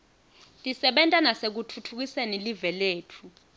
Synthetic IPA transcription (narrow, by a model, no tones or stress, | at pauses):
tʼisɛɓɛntʼanasek̬utʰutʰuk̬isenilivɛleːtʰu